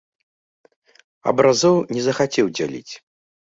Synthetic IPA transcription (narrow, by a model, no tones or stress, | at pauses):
ɐ̰bɾazɔwnʲɛzɐxat͡sʲɛwd͡zʲalʲḭt͡sʲ